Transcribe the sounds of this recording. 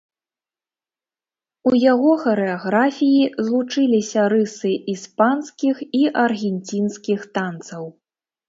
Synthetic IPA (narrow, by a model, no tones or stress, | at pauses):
ujaɣɔxɐɾɛaɣɾafʲijizlˠut͡ʂɨlʲisʲɐɾɨsɨʔispanskʲixiʔɐrɣʲɛnʲt͡sʲinskʲixt̪ant̪sɐw